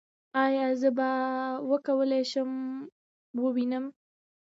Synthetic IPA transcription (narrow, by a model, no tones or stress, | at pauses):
ɑjɑzəbawəkawəlajʃəm | wəwinəm